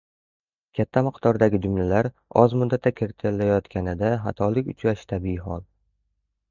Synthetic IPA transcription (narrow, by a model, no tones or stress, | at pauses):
kʲʰat̪ʰːamɨqd̪ɒɾd̪aɡʲɪd͡ʒʊmlalaɾ | ɒzmʊd̪ːat̪ʰːakʲʰeɾt̪ʰɪlːajɒt̪kʲanɪd̪aɦat̪ʰɒlɪkʲʊt͡ʃʰɾaʃɪ̥t̪ʰabɪɪɦɒlˠ